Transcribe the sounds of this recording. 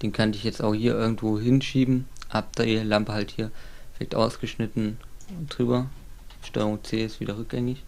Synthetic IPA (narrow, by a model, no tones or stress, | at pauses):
d̥eːnkʰandɪçjɛt͡sta̰ʊxhiːɐʔɪɐɡŋ̩tv̥oːɦɪnʃiːbm̩ʔap̚d̥ɐeːlampəhalthiːɐfɪlɛɪtʔa̰ʊsɡ̥əʃnɪtn̩d̥ʁyːbɐʃtɔːʁʊŋt͡seːɪstv̥iːdɐʁʏk̚ɡ̥ɛŋɪç